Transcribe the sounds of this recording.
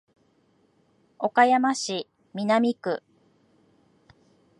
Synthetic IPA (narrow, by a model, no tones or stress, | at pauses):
o̞kajamaɕi | mʲinamʲikɯ̟